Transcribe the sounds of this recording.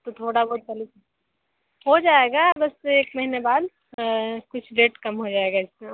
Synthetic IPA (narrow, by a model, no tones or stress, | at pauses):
t̪ot̪ʰoːɽabɔːt̪̚t͡ʃɐli | ɦod͡ʒaːeɡabɐseːkmɐɦinebaːd̪ | kʊt͡ʃʰɖeːʈkɐmɦod͡ʒaːeɡaɪsme